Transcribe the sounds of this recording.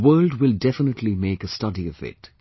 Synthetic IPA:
wɜːlˠd̚wɪlˠdɛfənətʰˡlimeɪkəstʌdiʌvɪ̰t̚

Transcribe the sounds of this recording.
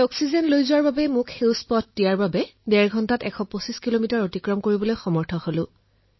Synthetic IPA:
ɔksizɛnlojzʊwaɹbabɛmʊkhewspɔt̚dijaɹbabɛdɛɹɡʱɔntatɛkʰɔposiskilomitaɹotikɹɔmkoɹibɔlojxɔmɔɹtʰɔholʊ̃

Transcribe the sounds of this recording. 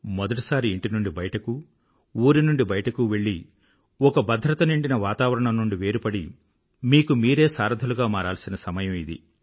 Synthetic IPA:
mɔd̪ɐʈ̬isaːɾiːɳʈinuɳɖibɐjɐʈɐku | uːɾinuɳɖibɐjɐʈɐkuʋe̞ɭːi | ɔkɐbɐd̪ʱːɾɐt̪ɐniɳɖinɐʋaːt̪aːʋɐɾɐɳɐmnuɳɖiʋe̞ːɾupɐɽi | miːkumiːɾe̞ːsaːɾɐd̪ʱɐluɡaːmaːɾaːlsinɐsɐmɐjɐmid̪ḭ

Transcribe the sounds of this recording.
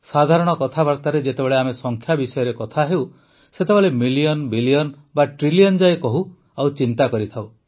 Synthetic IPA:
sad̪ʱaɾɔɽ̃ɔkɔt̪ʰabaɾt̪aɾed͡ʒet̪ebeɭeamesɔŋkʰjabisɔjɔɾekɔt̪ʰaɦew | set̪ebeɭemilijɔnbilijɔn | baʈɾiliɔnd͡ʒaekɔɦu | awt͡ʃint̪akɔɾit̪ʰaw

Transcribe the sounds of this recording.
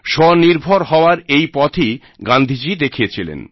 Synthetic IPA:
ʃɔniɾbʱoɾɦɔoaɾejpɔt̪ʰi | ɡand̪ʱid͡ʑid̪ekʰijet͡ɕʰilḛn

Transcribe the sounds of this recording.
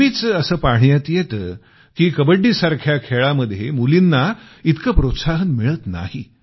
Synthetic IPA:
it͡səəsəːpaɳjət̪jet̪ː | kiːkəbəɖːiːsaɾkʰjakʰeɭaməd̪ʱːjemulinːa | it̪kəpɾot̪saɦənmiɭət̪na̰hi

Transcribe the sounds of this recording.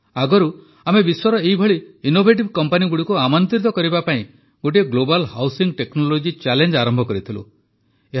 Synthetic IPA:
aɡɔɾu | amebiswɔɾɔeɦibʱɔɭiːnobʱeʈ̬ibkɔmpaniɡuɽikuamɔnt̪ɾit̪ɔkɔɾibapaĩ | ɡoʈ̬iɡlobalhawsiŋɡʈeknɔlod͡ʒit͡ʃalend͡ʒaɾɔmbʱɔkɔɾit̪ʰilṵ | e

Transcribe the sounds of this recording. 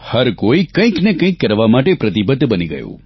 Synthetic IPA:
həɾkoikə̃ĩknekə̃ĩkːəɾʋamaʈepɾɐt̪ibəd̪ʱːbəniɡə̰jṵ̃

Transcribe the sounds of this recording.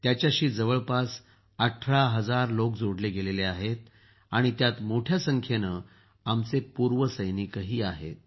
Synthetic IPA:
t̪jat͡ɕjaɕiːd͡zəʋəɭpas | əʈʰɾaɦəd͡zaɾlokd͡zoɽleɡeleleaɦet̪̚ | aɽ̃it̪jat̪moʈʰjasəŋkʰjenə | amt͡sepuɾʋəsəjnikəɦiːaɦḛt̪̚

